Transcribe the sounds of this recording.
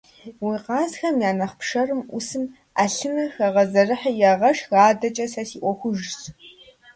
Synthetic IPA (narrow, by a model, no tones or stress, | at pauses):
wiːqɑːzxɐmjaːnɐχpʂɐrɨmʔʊsɨm | aːɬɨnɐxɐʁɐzɐrɨħajɛʁɐʂɣaːdɐt͡ʃʼɐsɐsiːʔʷɔxʷʊʒs